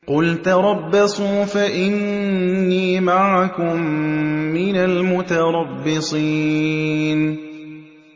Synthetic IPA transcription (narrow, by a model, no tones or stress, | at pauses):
qʊlt̪aɾˤɑbːɑsˤuːfaʔɪnː | iːmaʕakʊmː | ɪnalmʊt̪aɾˤɑbːɪsˤiː | n